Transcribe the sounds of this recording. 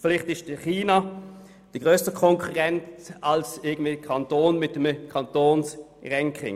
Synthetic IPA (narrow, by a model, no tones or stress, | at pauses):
flɪχtɪʃd̥əχiːna | d̥iɡʁøːstəkʰɔŋkʰuʁɛntɑlsɪɐɡən̩dviːkʰɑntoːnmɪt̚dəmkʰɑntoːns | ʁɛŋkʰɪ̰ŋ